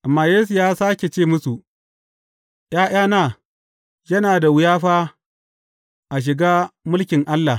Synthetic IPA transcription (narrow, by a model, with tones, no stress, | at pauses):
ʔa˨mːaː˦jeː˦s̬u˨jaː˦saː˦kʲe˨t͡ʃeː˦˨mʊ˦su˨ʔ | j̰aː˦j̰aː˦naː˦˨ | jɐ˦naː˨da˨wʊ˨˦jaː˦ɸaː˦ | ʔa˨ʃ̬ɪ˨ɡaː˦mʊ˦lkʲɪ˨ŋʔa˦lːa˨